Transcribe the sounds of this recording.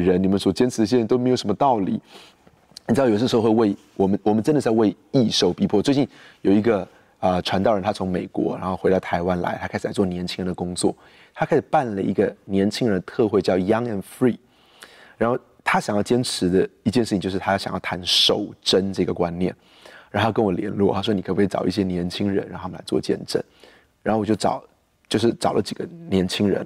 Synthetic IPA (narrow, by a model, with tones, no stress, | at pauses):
ɻə˧˥nni˨˩mə˦nswɔ˨˩t͡ɕjɛ˥nʈ͡ʂʰɻ̩˧d̪ɕ̬ɛ˥˧ə˧˥nt̪o˥ʊme˧˥ɪo˨˩ʊʂə˧˥mə˧t̪ɑ˥˩ʊlḭ˨˩˦ | j̩˨˩˧wwe˥˧ɪ | wɔ˨˩mə˦nwɔ˨˩mə˦nʈ͡ʂə˥nd̪ɪwe˥˧ɪ | i˥˧ʂo˥˩ʊpi˧˥pʰwɔ˥˧t͡swe˥˧t͡ɕi˥˩njo˨˩ʊi˧˥ɡə˧ | ə˧ʈ͡ʂʰwa˧˥nt̪ɑ˥˩ʊɻə˧˦nt̪ʰa˥t͡sʰʊ˧˥ŋme˨˩ɪkwɔ̰˧˥ɻa̰˧˥nxo˥ʊxe˧˥ɪɾɑ˥˩ʊt̪ʰa˧˥ɪwa˥nla̰˧˥ɪt̪ʰkʰɪʂ̩ɻla˧˥t͡swɔ˥˩njɛ˧˥nt͡ɕʰi˥ŋɻə˧nd̪ə˧kʊ˥ŋt͡swɔ̰˥˩ | t̪ʰa˥kʰa˥ɪʂɻ̩˨˩pa˥˩nlə˩ḭ˧˥ɡə˧njɛ˧˥nt͡ɕʰi˥ŋɻə˧˦nd̪ə˧t̪ʰɤ˥˧xwe˥˧ɪt͡ɕjɑ˥˩ʊjɑ˥ŋɛ˧nfɹi˥˩ | ɻa˧˥nxo˥˩ʊ | t̪ʰa˥ɕjŋjɑ˥˩ʊt͡ɕjɛ˥nʈ͡ʂ̩ʰ˧˥d̪ə˧i˧t͡ɕjɛ˥˧ʂ̩ʰ˥˩˨jo˥˧ʊʂ̩ʰ˥˧a˥jɕj̰jɑ˥˩ʊt̪ʰa˧˥nʂo˨˩ʊʈ͡ʂə˦nʈ͡ʂɤ˥˩˨ɡə˩kwa˦˥nnjɛ̰˥˩n | ɻa˥˩˧kə˥nwɔ˨˩ljɛ̰˧˥nlwɔ̰˥˩t̪ʰa˥ʂwɔ˥ni˨kʰə˥˨˩ʈ͡ʂɑ˨˩ʊi˥˩ɕjɛ˥njɛ˧˥nt͡ɕʰi˥ŋɻə̰˧˥nɻɑ˥˧ŋt̪ʰa˥mə˨la˧˥ɪt͡swɔ̰˥˧t͡ɕjɛ̰˥˧nʈ͡ʂə̰˥˩n | ɻa˧˥o˥˩wjo˥˩ʊʈ͡ʂɑ̰˨˩ʊ | t͡ɕjo˥˧ʊʂɻ̩˥˩ʈ͡ʂɑ˨˩ʊlə˦t͡ɕi˨˩ɡ̥ə˦njɛ˧˥nt͡ɕʰi˥ŋɻə̰˧˥˦n